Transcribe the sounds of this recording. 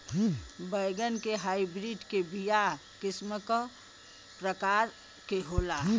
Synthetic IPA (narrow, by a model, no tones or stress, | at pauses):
bəjɡənkeɦaːibɾiɖkebija | kɪsməkə | pɾəkaːɾ | keɦoːla